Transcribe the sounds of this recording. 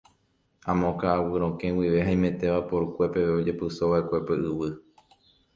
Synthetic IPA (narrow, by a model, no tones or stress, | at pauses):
ãmõkaːwɨɾ̃õkẽwiʋe̞ɦaĩmẽ̞t̪e̞ʋapo̞ɾukʷe̞pe̞ʋeod͡ʒe̞pɨsoʋaʔe̞kʷe̞pe̞ʔɨʋɨ